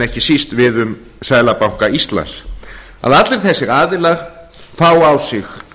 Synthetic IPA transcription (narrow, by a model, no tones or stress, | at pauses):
ɛhcɪsist̪vɪðʏm | saːjlapawŋ̥kaist̪la̰ns | a̰ðat̪lɪɾ̥θɛsːɛɾaːðɪlaɣ | faːwawsɪx